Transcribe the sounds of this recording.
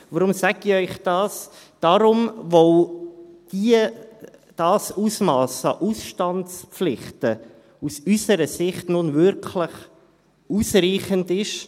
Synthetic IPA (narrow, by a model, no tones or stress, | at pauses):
ʋɔɾʊmsæɡiœʏχd̥ɑːs | d̥ɑɾʊmʋow | d̥iə | d̥ɑːsusmɑːsɑ̰ʔusʃtɑntspflɪχtə | usysəɾəsɪχtnʊnvʏɾkʰləχ | uːsriːχəndɪʃ